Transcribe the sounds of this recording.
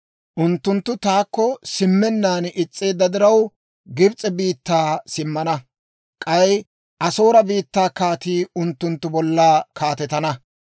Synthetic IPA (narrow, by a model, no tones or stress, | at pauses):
ʔʊnt̪ːʊnt̪ːʊt̪aːkːɔsɪmːɛnːaːnʔɪt͡sʼːe̞ːd̪ːɐd̪ɪɾɐw | ɡɪbt͡sʼɛbiːt̪ːaːsɪmːɐnɐ | kʼɐj | ʔɐsoːɾɐbiːt̪ːaːkaːt̪iːʊnt̪ːʊnt̪ːʊbɔlːaːkʰaːt̪ɛt̪ɐnɐ